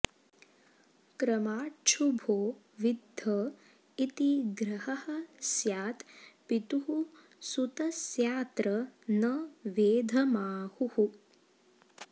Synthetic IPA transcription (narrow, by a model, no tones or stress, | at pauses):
kɾɐmaːʈt͡ʃʰubʱoː | ʋid̪ʱɐ | it̪iɡɾɐhɐhɐsjaːt̪pit̪uɦu | sut̪ɐsjaːt̪ɾɐnɐʋeːd̪ʱɐmaːhuhu